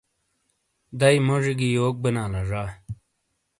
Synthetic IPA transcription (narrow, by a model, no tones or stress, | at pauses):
d̪ɐjmoʐiɡijoːk̚bənaːlaʐaː